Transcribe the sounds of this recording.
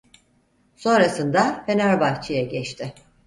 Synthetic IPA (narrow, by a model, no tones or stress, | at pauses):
so̞nɾasɯnd̪afe̞næɾbaht͡ʃʰijaɟɛt͡ʃt̪ʰɪ